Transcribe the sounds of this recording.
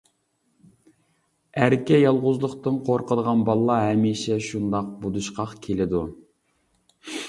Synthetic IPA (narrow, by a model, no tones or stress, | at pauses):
æɾkʲɛjɑlˠʁʊzlˠʊqt̪ɨnqʰoɾqəd̪əʁɑnbɑlˠːɑɦɛmiʃɛʃund̪ɑq̚bud̪uʃqʰɑqkʲʰelɪd̪u